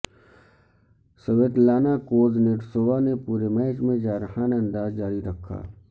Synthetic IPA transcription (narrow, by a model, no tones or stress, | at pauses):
səʋeːt̪laːnakoːzneːʈsoːʋanepuːɾemɛːd͡ʒmẽd͡ʒaːɾəɦaneɐ̃nd̪aːzd͡ʒaːɾiɾɐkʰːa̰ː